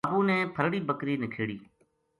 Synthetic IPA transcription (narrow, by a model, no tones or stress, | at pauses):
buːnɛːpʰəɾɽiːbəkɾiːnɪkʰeːɽiː